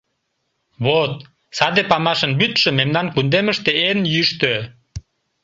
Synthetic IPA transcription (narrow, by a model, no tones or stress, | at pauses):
βot̪̚ | sɑd̪epɑmɑʃənbyt̪ʃømemnɑnkund̪eməʃt̪eenjyʃt̪ø